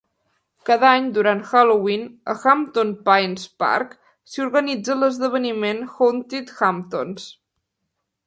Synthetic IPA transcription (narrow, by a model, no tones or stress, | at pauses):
kaðaɲd̪uɾant̪xalowinə̰xamt̪onpajnspa̰ɾk | siuɾɣənid͡zələzðəβ̞ənimenxont̪it̪xamt̪ons